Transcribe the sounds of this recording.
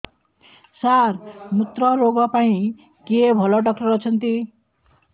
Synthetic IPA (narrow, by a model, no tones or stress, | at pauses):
saɾnut̪ɾʌɾoɡɔpaĩ | kebʱɔlɔɖʌkʈʌɾʌt͡sʰʌnt̪i